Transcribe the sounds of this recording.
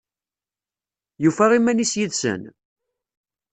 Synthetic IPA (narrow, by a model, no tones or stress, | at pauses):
jufæʁimːænisjiðsə̰n